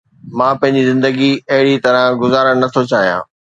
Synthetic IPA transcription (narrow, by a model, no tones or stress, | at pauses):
mãːpɐ̃ɦɪ̃ɲd͡ʑizɪ̃nd̪əɡiɐɦɪɽit̪ɐɾə̃ɡʊzaːɾəɽ̃nɐt̪ʰot͡ɕaːɦijã̰ː